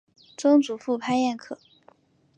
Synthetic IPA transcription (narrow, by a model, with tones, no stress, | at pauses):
t͡sɤ˥ŋt͡su˨˩fu˥˩pʰa˥ɪjɛ˥˩nkʰɤ˨˩˦